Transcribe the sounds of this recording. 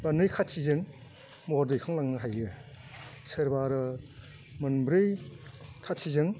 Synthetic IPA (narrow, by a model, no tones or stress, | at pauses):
banɯjkʰatʰizɯŋ | mɔɾdɯjkʰaŋlaŋnɯɦajɯ | sɯɾbaɾɯ | mɯnbɾɯj | kʰatʰizɯŋ